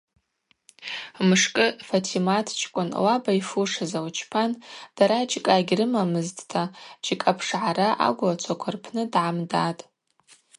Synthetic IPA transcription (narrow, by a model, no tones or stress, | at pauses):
mɨʂkʼɨfatʰimatʰt͡ʃʰʼkʷʼʊnwabaifuʂazawt͡ʃʰpʰand̥aɾat͡ʃʼkʼaɡʲrɨmamɨztʰʼtʰat͡ʃʼikʼapʰʂʕaɾaʔa̰ɡʷlat͡ʃʷʰakʷʰarpʰnɨdʕamdatʼ